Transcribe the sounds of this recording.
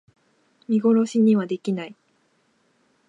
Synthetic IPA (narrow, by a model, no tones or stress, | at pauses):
mʲiɡo̞ɾo̞ɕiɲ̟iβad̪e̞kʲinai